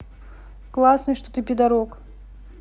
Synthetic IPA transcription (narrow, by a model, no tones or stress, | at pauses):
klˠasnɨjʂt̪ot̪ɨpʲɪd̪ɐɾok